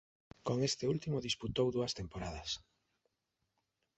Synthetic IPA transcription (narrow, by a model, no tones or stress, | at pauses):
koŋest̪eult̪imʊðisput̪owðuɐst̪empoɾaðɐs